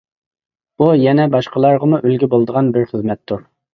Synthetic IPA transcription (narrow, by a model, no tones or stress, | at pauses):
bujɛnɛbɑʃqəlˠɑɾʁəmuʔylɡʲɪbolˠd̪əʁɑnbɪɾχəzmɛt̪ʰːuɾ